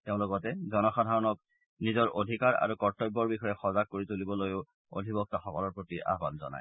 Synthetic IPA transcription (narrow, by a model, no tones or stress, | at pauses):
teʊ̃loɡɔtɛzɔnɔxadʱaɹɔnɔk̚ | nizɔɹʔodʱikaɹa̰ɹukɔɹtɔjbːɔɹbixɔjɛxɔzak̚kːoɹitulibɔlojʊ | o̰dʱibɔk̚taxɔkɔlɔɹpɹotiʔa̰ɦbanzɔ̰na̰j